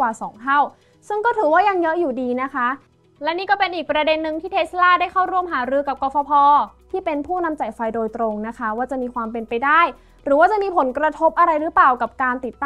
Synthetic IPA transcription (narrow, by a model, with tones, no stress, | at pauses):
waː˨˩sɔ̰ː˩˦ŋt̪ʰa˥˩w | sɯ˥˩ŋkɔː˥˩t̪ʰɯː˩˦waː˥˩ja˧ŋjɤ˦˥ʔjuː˨˩diː˧na˦˥kʰa˦˥ʔ | lɛ˦˥niː˥˩kɔː˥˩pe˧nʔiː˨˩k̚pɾa˧de˧nːɯ˧ŋt̪ʰiː˥˩t̪ʰe˦˥t̪slaː˥˩daː˥˩jkʰa˥˩wɾu˥˩əmɦaː˩˦ɾɯː˧ka˨˩p̚kɔː˧˩fʰɔ˧pʰɔː˧t̪ʰiː˥˩pe˧npʰuː˥˩na˧mt͡ɕa˨˩jfa˧jdoː˧jt̪ɾo˧ŋna˦˥kʰa˦˥waː˥˩t͡ɕa˨˩ʔmiː˧kʰwaː˧mpe˧npa˧jdaː˥˩j | ɾɯː˩˦waː˥˩t͡ɕa˨ʔmiː˧pʰo˩˦nkɾa˧t̪ʰo˦˥p̚ʔa˧ɾa˧jɾɯ˦˥paː˨˩wka˨˩p̚kaː˧nt̪i˨˩t̪ːa˥